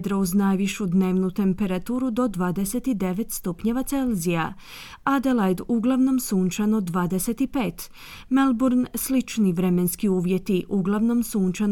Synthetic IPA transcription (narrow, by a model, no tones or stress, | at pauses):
d̪ɾauznajʋiʃud̪ne̞ːʋnut̪e̞mpe̞ɾat̪uːɾud̪o̞d̪ʋaːd̪ese̞t̪id̪e̞ʋe̞t̪st̪upɲe̞ʋat̪se̞lzija | ad̪elajd̪uɡlˠaʋno̞msuːnt͡ʃanod̪ʋaːd̪eset̪ipe̞ːt̪ | melbuɾnslit͡ʃniʋɾe̞me̞nskiuːʋje̞t̪iʔuɡlˠaʋno̞msuːnt͡ʃan